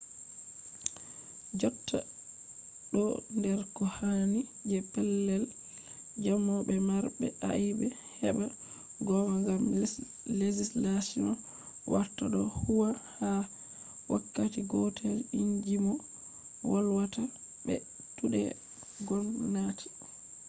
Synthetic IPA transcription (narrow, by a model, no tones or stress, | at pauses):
d͡ʒɔtːa̰ | ɗɔndɛɾkɔhani | d͡ʒɛpɛlːɛl | d͡ʒamɔɓɛmaɾbɛ̰a̰jibɛ | hɛɓa | ɡɔmaŋɡam | led͡ʒislasiɔ | wʔaɾtːaɗɔhuwaha | wakːatiɡɔtʰɛliɲd͡ʒimɔ | walwata | bɛ̰ | tuɗɛ̰ | ɡɔnːati̥